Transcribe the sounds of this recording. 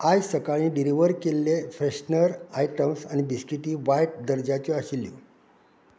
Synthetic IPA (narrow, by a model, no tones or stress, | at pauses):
ajsəkaɭĩːɖiɾiʋəɾkelːefɾeɕnəɾaiʈəmsañibiskiʈiːʋajʈ̚d̪əɾd͡ʑat͡ɕɔaɕilːḭ